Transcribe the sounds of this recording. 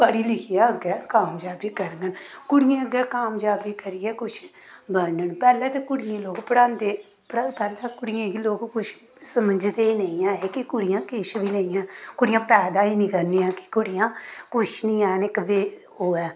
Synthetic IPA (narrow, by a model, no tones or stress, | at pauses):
pəɽiːlɪkʰɪjaːəɡɛːkaːmd͡ʒaːbiːkəɾɡənkʊɽɪjãːəɡɛːkaːmd͡ʒaːbiːkəɾɪjɛːkʊt͡ʃʰbənəɳpɛːlɛːt̪ekʊɽɪjẽːloːɡpəɽãːnd̪eː | pɽapɛːlɛːkʊɽɪjãːɡiloːɡkʊt͡ʃʰ | səməd͡ʒd̪eːnəĩjãːeːkikʊɽɪjãːkeːʃbʱiːnəijãːkʊɽɪjãːpɛːd̪aːiːnĩːkəɾniãːkɪ̥kʊɽɪjãːkʊt͡ʃʰnĩːaːnɪkʋeː | oːɛː